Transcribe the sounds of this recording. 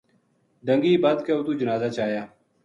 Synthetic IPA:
ɖəŋɡiːbaːd̪keoːt̪uːd͡ʒənaːzaːt͡ʃaːjaː

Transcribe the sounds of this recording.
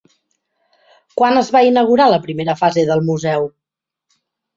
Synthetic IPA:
kwanəzβainəɣ̞uɾaləpɾimeɾəfazeðəlˠmuzɛw

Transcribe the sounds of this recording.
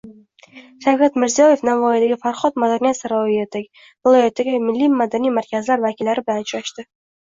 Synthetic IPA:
ʃawkʰʲat̪mɪɾzijɒje̞fnavɒjad̪aɡʲɪfaɾχɒt̪mad̪aɾnijat̪saɾɒvijet̪ʰakʲ | vɪlˠɒjat̪ːaɡʲamɪlːimad̪anijmaɾkʲʰazlaɾvakʲʰɪlːaɾɪbɪlant͡ʃɾaʃt̪ɪ

